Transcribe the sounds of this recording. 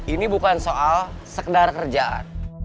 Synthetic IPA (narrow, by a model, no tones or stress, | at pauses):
inibukansoʔalsəkədarkərd͡ʒaʔa̰n